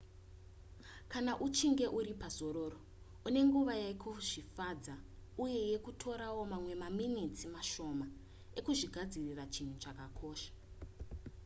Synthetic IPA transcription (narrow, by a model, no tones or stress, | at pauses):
kanaʔut͡ʃiŋɡe̞ʔuɾipazo̞ɾo̞ːro | une̞ŋɡuʋajaikʰoʐifad͡zauje̞je̞kutʰo̞ɾawo̞mamwe̞maminitimaʃo̞ma | e̞kuʐiɡʱad͡zirirat͡ʃin̤ut͡ʃakakʰo̞ːʃḁ